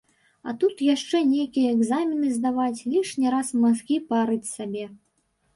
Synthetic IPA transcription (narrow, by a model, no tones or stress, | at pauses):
ɐ̰t̪ut̪jaʂt͡ʂɛnʲejkʲijɐɛɡzamʲinɨzd̪avat͡sʲlʲiʂnʲiɾasmazɣʲipaɾɨt͡sʲsabʲɛ